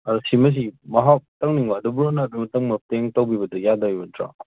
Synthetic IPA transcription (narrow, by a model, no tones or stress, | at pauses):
aɾsimɐs̬imɐɦap̚tɐŋniŋbadubuɾonabimɐtɐŋmɐpeŋtawbibɐdɯjadajbɐtɾa̰